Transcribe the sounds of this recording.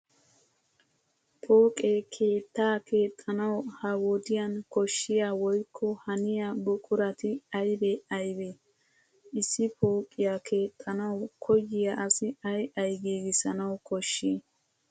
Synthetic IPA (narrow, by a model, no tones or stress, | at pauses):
pʰo̞ːkʼekʰe̞ːt̪ːaːkʰe̞ːt̪ʼːɐnɐwhɐwoːd̪ɪjɐnkɔʃːɪjaːwɔjkʰːɔhɐnɪjabʊkʼʊɾɐt̪ɪɐjbeɐjbe | ɪsːɪpʰo̞ːkʼːɪjakʰe̞ːt̪ʼːɐnɐwkʰɔjːɪjaʔɐsɪɐjɐjɡeːɡɪsɐnɐwkɔʃːi